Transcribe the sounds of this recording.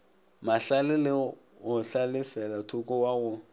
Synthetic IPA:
maɬalɪlɪ | ɣʊɬalɪfɛlatʰʊkɔwaɣʊ

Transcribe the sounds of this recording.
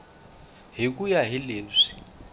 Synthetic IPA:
ɦik̬ʼujaɦileːzʷi̥

